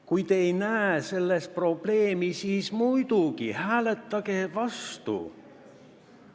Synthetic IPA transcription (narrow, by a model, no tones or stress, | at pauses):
kujt̪e̞jnæese̞lːest̪̚pro̞b̥le̞ːmisiːsmujd̪̥uɡ̥ihæːlet̪ːˑɑɡ̥e̞vɑst̪ṵ